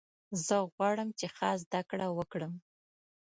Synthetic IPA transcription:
zəɣwɑɽəmt͡ʃexɑzd̪akɽawəkɽəm

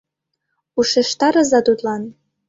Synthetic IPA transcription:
uʃeʃt̪ɑɾɤ̆zɑt̪ut̪lˠɑn

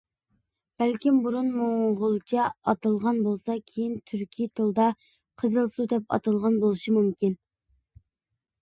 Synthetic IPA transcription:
b̥ælkʲimbuɾunmoŋʁʊlˠt͡ʃʰɛɑt̪ɨlˠʁɑnbolˠsɑkʲʰejint̪ʰyɾkʲʰit̪ʰɨlˠd̪ɑ | qʰəzɨlˠsud̪ɛpɑ̰t̪ɨlˠʁɑnbolˠɨʃimumkʲin

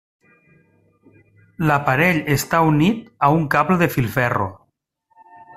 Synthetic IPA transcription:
lapaɾeʎest̪aunit̪auŋkaβleðefilˠfɛro̰

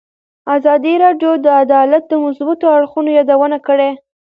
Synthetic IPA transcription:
azɑd̪iɾɑɖjod̪əad̪ɑlat̪̚d̪əmʊsbat̪oaɽxunojɑd̪awənakəɽe

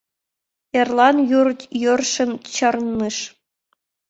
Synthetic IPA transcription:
ĕrlˠɑnjurjurʂɘ̆nt͡ɕɤ̆rnːɯʂ

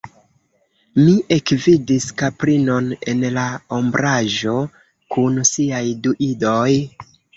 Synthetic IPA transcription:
miʔekvidiskapɾino̞ne̞̰nlaombɾʔaʒo̞ | kunsiajduʔido̞j

